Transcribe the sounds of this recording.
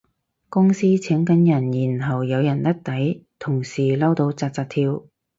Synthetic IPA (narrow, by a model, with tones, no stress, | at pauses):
kʊ˥ŋsiː˥t͡sʰɛ˨˥ŋkɐ˨˥njɐ˨˩njiː˨˩nɦɐ˨wjɐ˨˧wjɐ˨˩nt̪ɐ˥t̚t̪ɐ˨˥jt̪ʰʊ˨˩ŋsiː˨˩lɐ˥wt̪o˧wt͡saː˧t̚t͡saː˧t̚t̪ʰiː˧w